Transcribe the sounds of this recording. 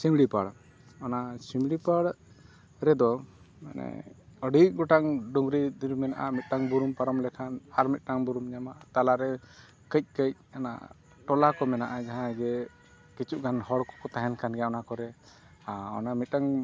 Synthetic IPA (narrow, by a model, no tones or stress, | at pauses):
simɽipaɽ | ɔnasimɽipaɽ | ɾɛd̪ɔ | ma̰nɛ̰əɖiʔ̚ɡɔʈaŋɖuŋɡɾid̪iɾumɛnaʔamit̪̚ʈaŋbuɾumpaɾɔmlɛkʰanhaɾmit̪̚ˀʈaŋbuɾumɲamat̪alaɾɛ | kəc̚ˀkəc̚ana̰ | ʈɔlakɔmɛnaʔad͡ʒaɦãɡɛ | kit͡ʃuʔɡanhɔɽkɔ̥kɔt̪aɦɛnkanɡɛɔnakɔɾɛ | aɔ̰namit̪̚ʈaŋ